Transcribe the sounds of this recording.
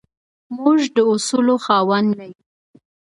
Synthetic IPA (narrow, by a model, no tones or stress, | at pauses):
muʒd̪əʊsuloxɑwanːaji